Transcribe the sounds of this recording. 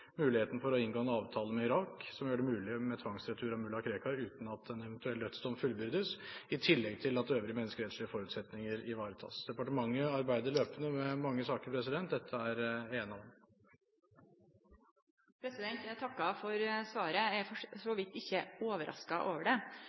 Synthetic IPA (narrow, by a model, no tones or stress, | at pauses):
mʉːlɪheːt̪n̩əfɔɾɔɪnɡoːɛnɑːʋt̪ʰɑːləmɛɪɾɑːksɔmjøːɖɛmʉːlɪmɛt̪ʰʋɑŋsɾɛt̪ʰʉːɾɑmʉlɑkʰɾeːkɑʉːt̪n̩ɑt̪ɛnɛʋɛnt̪ʉɛldœt̪ːst̪ɔmfʉlbʏɾd̪əsɪt̪ʰɪlːɛɡ̚t̪ʰɪlɑt̪̚d̪ɛøːʋɾəmɛnəskəɛːt̪skɭɪəfɔɾʉt̪sɛt̪nɪŋəɾɪʋɑːɾət̪ʰɑ̰ːsd̪̥ɛpɑʈəmɑŋːəɑɾbæɪd̪əɾɭøːpənəmɛmɑŋːəsɑːkəɾpʰɾɛsɪd̪ɛnt̪̚d̪ɛt̪ʰːəæɾeːnɑʋɛm | pʰɾɛsɪd̪ɛnt̪jæt̪ʰɑkːɑfɔɾsʋɑːɾəæfɔsɔʋɪt̪ːɪçːəoːʋəɾʔɑ̰skɑʔoːʋəɖɛ